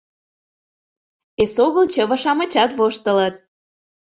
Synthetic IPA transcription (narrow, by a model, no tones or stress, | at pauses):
esoɣəlt͡ɕə̆βə̆ʃɑmə̆t͡ɕɑt̪βoʃt̪ələt̪̚